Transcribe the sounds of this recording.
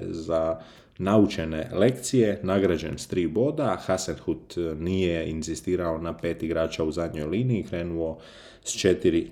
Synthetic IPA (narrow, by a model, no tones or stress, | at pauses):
za | naut͡ʃenḛle̞kt̪sijenaɡɾad͡ʒe̞̰nst̪ɾiːbo̞ːd̪axasanxut̪nijeinzist̪iːɾaonapeːt̪iɡɾaːt͡ʃauzad̪ɲo̞jliːniːkɾe̞ːnuo̞ | st͡ʃet̪iɾi